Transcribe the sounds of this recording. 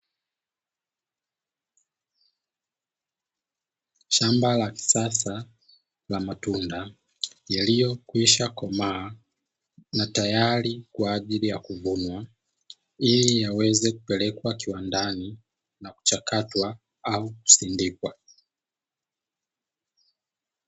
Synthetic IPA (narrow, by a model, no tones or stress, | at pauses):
ʃambalaki̥sasa | lamatunda | jilijɔkwiʃakamaː | natajaɾikwaːʄilijakuvunwa | ilijawɛzɛku̥pɛlɛkwakiwandani | naku̥t͡ʃakatwa | auku̥sindikwa